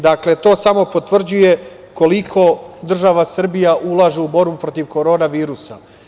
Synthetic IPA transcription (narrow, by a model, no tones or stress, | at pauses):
d̪akle̞t̪o̞ːsamo̞po̞t̪ʋr̩d͡ʑuje̞ | ko̞likʰo̞d̪r̩ʒaʋasr̩bijaʔulˠaʒeubo̞ɾbupɾo̞t̪iʋko̞ɾo̞ːnaʋiːɾusa̰